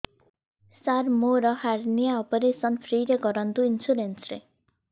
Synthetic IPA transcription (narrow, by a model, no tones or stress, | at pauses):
saɾmoɾʌhaɾnijaɔpɔɾesʌnpʰɾiɾeɡʌɾʌnt̪uinsuɾensɾḛ